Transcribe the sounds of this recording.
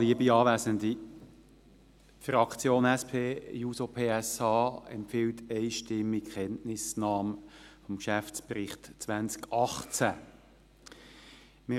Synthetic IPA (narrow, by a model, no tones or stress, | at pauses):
liəbiɑːvæzəndi | frɑkt͡sjoːnɛspʰeːjuːsopʰeːɛsɑːɛ̰mpfɪːltɛɪʃtɪmːikχɛntnɪsnɑːmfɔmkʃæft͡sprɪχtt͡sʋænt͡skɑχt͡sæ | mɪ